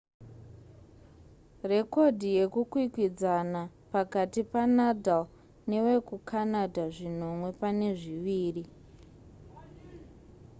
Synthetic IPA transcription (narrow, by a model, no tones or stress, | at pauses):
re̞ko̞dʱije̞kukwikwid͡zanapakatipanadʱal | ne̞we̞kukʰanadʱaʐin̤o̞mwe̞pane̞ʐiʋiːri